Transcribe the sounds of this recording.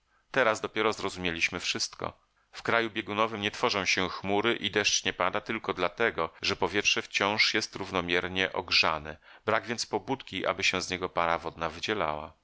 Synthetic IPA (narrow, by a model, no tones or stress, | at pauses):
t̪ɛɾazd̪ɔpʲjɛɾɔzɾɔzumʲjelʲiɕmɘfʂɘst̪kɔ̰ | fkɾajubʲjɛɡunɔvɘmɲɛt̪fɔʐɔ̃w̃ɕɛxmuɾɘʔid̪ɛʂt͡ɕɲɛpad̪at̪ɘlkɔd̪lat̪ɛɡɔʐɛpɔvʲjɛtʂɛft͡ɕɔ̃w̃ʂjɛst̪ɾuvnɔmʲjɛɾɲɛʔɔ̰ɡʐanɛbɾaɡvʲjɛnt̪spɔbut̪kʲiʔa̰bɘɕɛ̃zɲɛɡɔpaɾavɔd̪navɘd͡ʑɛla̰wa̰